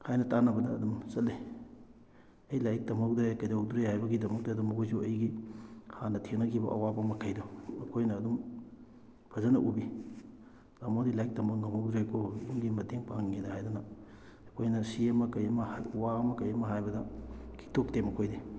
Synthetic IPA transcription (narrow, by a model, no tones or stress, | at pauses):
hajnɐtanɐbɐdɐːdumsɐtlːe | ɐjlajk̚tɐmɐk̚dɾajkɐjdawduɾejhajbɐɡidɐmɐk̚taɐdumɐkʰojzuɐjɡihanɐtʰenɐkʰibɐ̰ʔɐ̰wabɐmɐkʰɐjdoɐkʰojnɐːdum | pʰɐzɐnɐʔubi | zamodilajk̚tɐmɐknɐmow̚duɾejkʰoiŋɡimɐteŋpaŋːidɐhajdunɐː | kʰojnɐsiɐmɐkɐjɐmɐhajɐwaɐmɐkɐjɐmɐɦajbɐdɐkʰi̥k̚tʰok̚temɐkʰojde